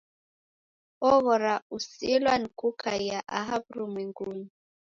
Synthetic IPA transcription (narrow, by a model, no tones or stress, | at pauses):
ɔβɔɾausilwankukʰajaʔa̰ɦabɾumwɛŋɡun